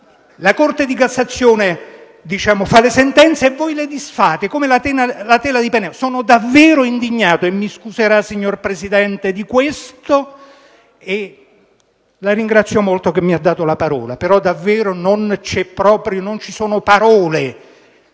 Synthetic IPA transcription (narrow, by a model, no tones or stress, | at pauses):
lakort̪ed̪ikasːat̪sːjoːne | d̪it͡ʃaːmofalesent̪ɛnt̪seːvːɔjled̪isfaːt̪ekomelat̪ɛːnalat̪ɛːlad̪ipenɛsoːnod̪avːeːɾoind̪iɲːaːt̪oemːiskuzeɾasːiɲːorpɾesid̪ɛnt̪ed̪ikwest̪o | e | laɾiŋɡɾat̪sːjomolt̪ok̟emːiad̪ːaːt̪olapaɾɔ̰ːla̰peɾɔd̪avːeːɾonont͡ʃɛpːɾɔːpɾjonont͡ʃisoːnopaɾɔːle